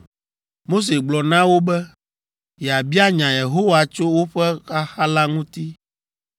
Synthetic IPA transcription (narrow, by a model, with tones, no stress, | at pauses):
mo˦s̬e˨ɡ͡blɔ˨nã˦wo˦bɛ˦ | jɛ˨a˨bi˦a˦ɲã˨je˨ɦo˦wa˨t͡ʃo˦wo˦ɸɛ˦xa˦xa˦la˦ŋũ˦t̪i˦